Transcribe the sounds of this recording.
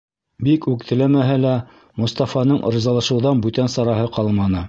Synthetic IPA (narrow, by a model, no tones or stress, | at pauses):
bikʉkt̪ɘ̆læmæɦælæ | mŏst̪ɑfɑnɤɴʔɤ̰̆ɾɤ̆zɑlˠɑ̆ʃɤ̆wðɑnbʉt̪ænsɑɾɑɦɤqɑlˠmɑnɤ